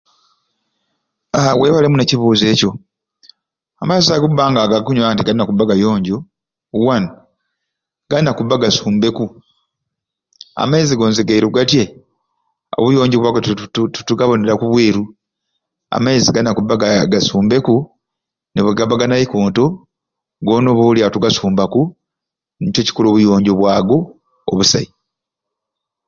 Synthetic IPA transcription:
aweːβalemuneciβuːze̞ːco̞ | amazakubːaːŋɡaːɡakuɲuaantiɡainakubːaɡajoːɲɟo | wano | ɡ̥anakubːaɡasuːmbe̞ku | a̰maiziɡo̞ːnziɡaiɾuɡatje | o̞̰βujo̞ːɲɟoβwaːɡottutuɡaβo̞neɾakuβwiːɾu | a̰maiziɡanakubːaɡɡasuːmbe̞ku | neβeɡabaɡanajikoːnto̞ | ɡo̞ːno̞βoːljatuɡasuːmbaku | nicoci̥kuloːβujo̞ːɲɟoβwaːɡo̞̰ː | βusa̰i

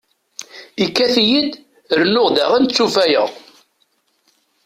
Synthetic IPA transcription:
ikːæθjid̪ | əɾnʊʁd̪æ̰ʁænt͡sːufæjə̰ʁ

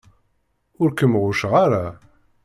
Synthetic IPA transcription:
ʊɾkəmʁʊʃʁaɾa

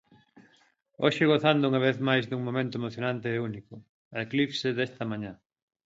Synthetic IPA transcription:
oʃɪɣoθand̪ʊuŋɐβ̞eθmajzd̪uŋmõmẽnt̪ʊemoθjonãnt̪eːunikʊ | ɐeklifseðest̪ɐmãɲã

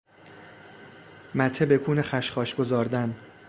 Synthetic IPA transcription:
mæt̪ʰebekʰuːnexæʃχɒːʃɡo̞zɒːɾd̪æn

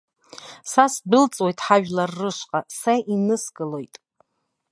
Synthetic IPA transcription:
sasbɨlt͡sʼwojtʼħaʒᶣlarːɨʃqʼasaʔinɨsɡɨlojtʼ

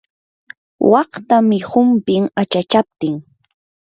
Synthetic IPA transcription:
wʔɑqt̪amɪhʊmpɪŋat͡ʃat͡ʃap̚t̪ɪŋ

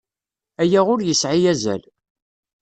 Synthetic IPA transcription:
æjæʁʊɾjəsʕijæzæ̰l

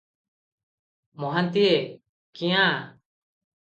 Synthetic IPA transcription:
mɔɦant̪ie | kĩjã

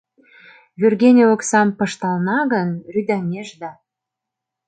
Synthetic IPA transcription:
vʲyrɣʲenʲeoksɑmpɤ̆ʃt̪ɑlnɑɣənryd̪ɑmʲeʒd̪ɑ

